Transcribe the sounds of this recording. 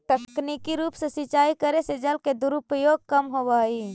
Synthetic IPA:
t̪əkknikiɾuːpsə̃sit͡ʃaikəɾesed͡ʒəlked̪uɾupəjoɡ̚kəmɦobai

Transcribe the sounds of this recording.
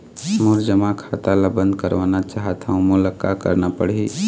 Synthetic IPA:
moɾd͡ʒəmakʰat̪alabə̃nd̪kəɾʋanat͡ʃaɦət̪ʰaũmuləkːakə̰ɾnapəɽɦi

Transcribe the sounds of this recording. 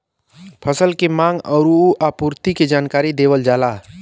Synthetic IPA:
pʰəsəlkemãːŋɡɔɾuuʔaːpuːɾt̪iked͡ʒaːnkaːɾid̪eːʋəld͡ʒaːlaː

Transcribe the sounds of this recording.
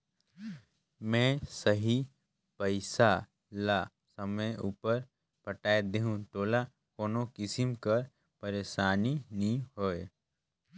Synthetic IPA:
mɛ̃ːsəɦi | pəɪsa | la | səməjuːpəɾ | pəʈaːed̪eɦũʈoːla | koːnokɪsɪmkɐɾ | pəɾeːʃaːninĩɦoːe

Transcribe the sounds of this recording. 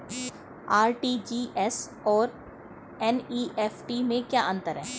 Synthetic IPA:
aːɾʈiːd͡ʒiːʔɛs | ɔːɾ | ɛniːʔɛːfʈimẽkjaːʔɐ̃nt̪əɾɦɛː

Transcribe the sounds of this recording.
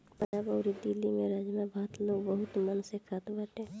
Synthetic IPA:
pənabəʊɾid̪ilːimẽɾaːd͡ʒmabʱaːt̪loːɡbəɦʊt̪mənsekʰat̪bəʈẽ

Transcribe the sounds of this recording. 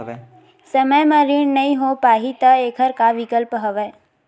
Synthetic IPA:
səməjmãɾiɳnəĩɦopaːɦit̪əeːkʰəɾkaʋɪkəlpɦəʋeː

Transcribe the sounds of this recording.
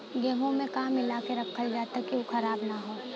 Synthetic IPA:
ɡeːɦõmẽkaːmɪlaːkeɾɐkʰːəld͡ʒaːt̪akiokʰɐɾaːbnaɦoː

